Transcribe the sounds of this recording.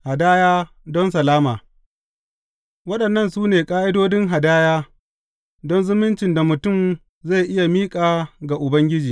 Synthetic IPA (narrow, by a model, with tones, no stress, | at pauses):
ha˨daː˦jaː˦ | dɔ˦ns̬ɐ˨laː˦maː˨ | wɐ˦ɗɐ˨nːɐ˦nsuː˦neː˨kʼaː˦ʔɪ˦doː˦dɪ˦ŋɦa˨daː˦jaː˦ | dɔ˦nzʊ˦mɪ˦nt͡ʃɪ˨nda˨mʊ˨tʊ˦˨m | za˦˨jʔɪ˦ja˨miː˦kʼaː˨ɡa˨ʔʊ˨bɐ˦ŋɡʲɪ˦d͡ʒiː˨